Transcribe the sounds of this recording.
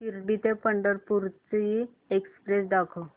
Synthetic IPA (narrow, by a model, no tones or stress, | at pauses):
kiɾbit̪epəɳɖəɾpuɾt͡sei | ekspɾesd̪akʰə